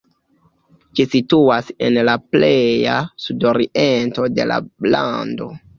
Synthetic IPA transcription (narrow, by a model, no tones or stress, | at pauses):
d͡ʒisituase̞̰nlapleja̰sudoɾiʔento̞de̞̰la̰la̰ndo̞̰